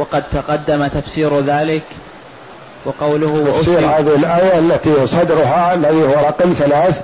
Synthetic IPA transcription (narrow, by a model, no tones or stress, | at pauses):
wɑqɑd̪̚t̪aqɑd̪ːamat̪afsiːɾðaːlɪk | wɑqɑwlʊhʔʊsiːɾhaːðɪhɪlʔaːjalːat̪isˤɑd̪ɾʊɦaalːaðihʊwaɾˤɑqmθalaːθ